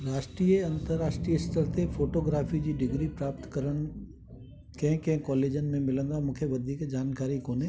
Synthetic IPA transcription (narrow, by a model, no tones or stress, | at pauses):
ɾaːʃʈɾiːjeɐ̃nt̪əɾaːʃʈɾiːəɪsʈ̪əɾt̪ʰefoːʈoːɡɾaːfid͡ʑiːɖɪɡɾipɾaːp̚t̪kɐɾəɽ̃̆ | kɐ̃ɦɪ̃kɐ̃ɦɪ̃kɔːleːd͡ʑənɪ̆mẽmɪlə̃nd̪amũːkʰeʋɐd̪ʱiːkd͡ʑaːnkaːɾikoːneː